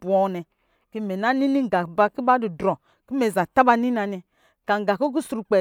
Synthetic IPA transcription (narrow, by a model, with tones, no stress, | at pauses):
bɔ˨nɛ˨ | ki˦mɛ˨na˦ni˦ni˦ŋ˨ɡa˨ba˦ki˦ba˦du˨dɾɔ˨ | ki˦me˨za˨ta˦ba˦ni˦n˦a˨nɛ˨ | ka˨ŋ˨ɡa˨ko˦k̬u˦su˨ɾu˨k͡pɛ˨